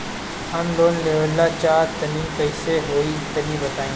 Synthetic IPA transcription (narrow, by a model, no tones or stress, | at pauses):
ɦɐmloːnleːʋəlːat͡ʃaːɾt̪ɐniːmkɐɪseɦoːit̪ɐniːbɐt̪aːẽː